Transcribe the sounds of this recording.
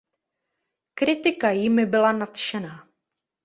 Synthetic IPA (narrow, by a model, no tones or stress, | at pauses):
kɾɪt̪ɪkajɪmɪbɪlanat̪ʃɛnaː